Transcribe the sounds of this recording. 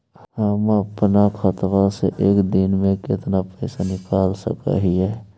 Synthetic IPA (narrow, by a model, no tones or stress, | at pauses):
ɦəməpnakʰət̪ʋaseʔeːkd̪ɪnmẽkɪt̪napɛːsanɪkaːlsə̰ka̰ɦiɦɛː